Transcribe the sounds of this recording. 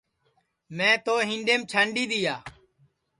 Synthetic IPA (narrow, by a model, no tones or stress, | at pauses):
mɛ̃ːt̪oːɦɪ̃ɳɖeːmt͡ʃʰəɳɖiːd̪ɪjaː